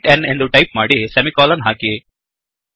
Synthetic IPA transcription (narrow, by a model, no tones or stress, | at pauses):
ʈenend̪uʈɐjp̚maːɽisemikɔːlɐnɦaːki